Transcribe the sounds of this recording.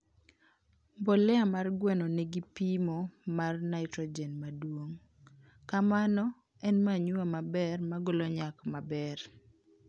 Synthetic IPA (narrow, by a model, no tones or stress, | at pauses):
mbolɛamarɡwɛnɔnɛɡipimɔmarnaɪtɾɔd͡ʒɛnmadwoŋ | kamanɔ | ɛnmaɲuamabɛrmaɡoloɲakmabɛr